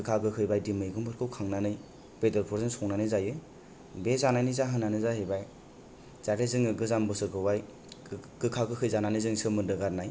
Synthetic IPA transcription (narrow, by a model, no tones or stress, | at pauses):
kɯkʰaɡɯkʰɯjbajdimɯjɡɯmbɯɾkʰɯwkʰaŋnanɯj | pedɔɾpʰɔɾzɯnsɔŋnanɯjzajɯ | bezanajnɯjzaɦɯnːanɯzahebaj | z̥aɾezɯŋɯɡɯzambɯsɯɡɯwaj | kɯkʰaɡɯkʰɯjzananɯjzɯŋsɯmɯndɯɡaɾnaj